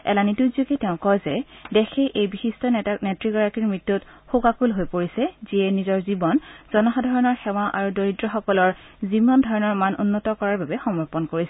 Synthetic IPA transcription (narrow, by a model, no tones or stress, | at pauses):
ɛ̰lanituzokɛtɛʊ̃kɔjzɛdɛxʰɛʔejbixistʰɔnɛtɹiɡɔɹakiɹmɹitːutxukakulɦojpoɹisɛziɛnizɔɹzibɔnz̥ɔnɔxadʱaɹɔnɔɹxɛwaʔa̰ɹudoɹidɹɔxɔkɔlɔɹzibɔndʱɔɹɔnɔɹmano̰nːɔtɔkɔɹaɹbabɛxɔmɔɹpɔnkoɹisɛ